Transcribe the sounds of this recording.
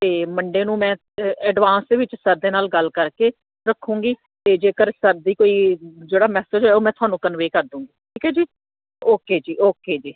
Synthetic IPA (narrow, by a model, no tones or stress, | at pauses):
t̪eːməɳɖeːnũːmɛ̃ː | ɛːɖʋãːnsd̪eːʋɪt͡ʃsəɾd̪eːnaːlɡəlkəɾkeː | ɾəkʰːũːɡiː | t̪eːd͡ʒeːkəɾsəɾd̪iːkoːiːd͡ʒeːɽaːmɛːsəd͡ʒɦoɛːoːmɛ̃ːt̪ʊaːnũːkənʋeːkəɾd̪ũːŋɡiːʈʰiːkɛːd͡ʒiː | oːkeːd͡ʒiːʔoːkeːd͡ʒiː